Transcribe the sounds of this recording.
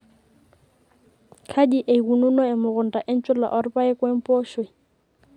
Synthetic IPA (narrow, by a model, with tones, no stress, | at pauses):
kʰa˦di˦ʔe˨i˨ɣu˨nu˦nɔ˦ɪ˨mʊ˨ɣʊ˨n̩˨tʼa˨ʔɪ˦n̩˦t͡ʃʼʊ˦la̰˨ʔɔ˨ɾɪ˦pʼa˦ɪ˦kwe˦m̩˦pʼoː˦ʃwe˨